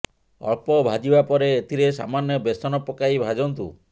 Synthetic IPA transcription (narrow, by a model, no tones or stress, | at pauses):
ɔ̰ɭpɔbʱad͡ʒibapɔɾeet̪ʰiɾesa̰manjɔbesɔnɔpːɔkaibʱad͡ʒɔnt̪u